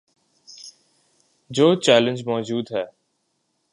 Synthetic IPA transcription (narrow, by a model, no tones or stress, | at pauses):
d͡ʑoːt͡ɕɛːlə̃nd͡ʒmɔːd͡ʑuːd̪ɦɛː